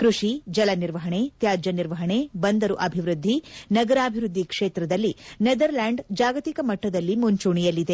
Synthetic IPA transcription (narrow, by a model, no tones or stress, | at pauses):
kɾuʂid͡ʒɐlɐniɾʋɐɦɐɳet̪jaːd͡ʒɐniɾʋɐɦɐɳebɐnd̪ɐɾuʔɐbʱiʋɾud̪ʱːinɐɡɐɾaːbʱiɾud̪ʱːikʂeːt̪ɾɐd̪ɐlːined̪ɐɾlaːɳɖd͡ʒaːɡɐt̪ikɐmɐʈːɐd̪ɐlːimuɲt͡ʃuɳijɐlːid̪e̞